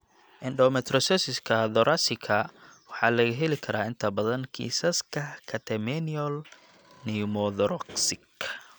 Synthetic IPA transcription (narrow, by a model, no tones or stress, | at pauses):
ʔɛnɖɔmɛt̪ɾɔsɛsɪskʰɐd̪ɔɾʔasɪkʰɐwɑħɑːlɐɣɐɦɛlɪkʰɐɾaːɪnt̪ʰɐbɐðɐnkʰḭːsɐskʰɐkʰɐt̪ʰɛmɛniɔl | nimɔðɔɾɔksɪk